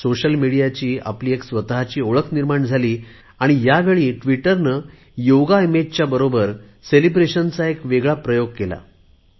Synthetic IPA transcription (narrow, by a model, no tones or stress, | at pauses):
soɕəlmiɽijat͡ɕiːa̰pliːeksʋət̪ɦat͡ɕiːoɭəkʰniɾmaɳd͡zʱaliː | aɽ̃ijaʋeɭiːʈʋiʈəɾnə | joɡaimed͡ʑt͡ɕjabəɾobəɾ | selibɾeɕənt͡saekʋeɡɭapɾəjoɡ̚kela̰